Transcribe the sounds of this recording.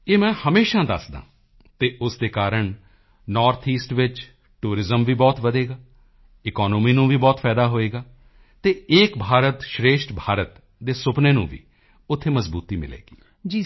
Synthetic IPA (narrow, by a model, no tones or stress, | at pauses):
eːmɛ̃ːhəmeːʃãːd̪əsd̪ã̰ː | t̪eːʔʊsd̪eːkaːɾəɳ | nɔːɾt̪ʰiːsʈʋɪt͡ʃ | ʈuːɾɪzəmʋiːbɔːt̪ʋəd̪eːɡaː | ɪkɔːnoːmiːnũːʋiːbɔːt̪pʰɛːd̪aːɦoːeːɡaː | t̪eːeːkbʱaːɾət̪ʃɾeːʃʈbʱaːɾət̪ | d̪eːsʊpneːnṵ̃ːʋḭː | ʊt̪ʰːeːməzbuːt̪iːmɪ̰lḛːɡiː | d͡ʒi